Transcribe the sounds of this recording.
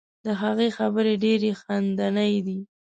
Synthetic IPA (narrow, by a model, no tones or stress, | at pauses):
d̪əɦaɣexabəɾeɖeɾexand̪anəjd̪i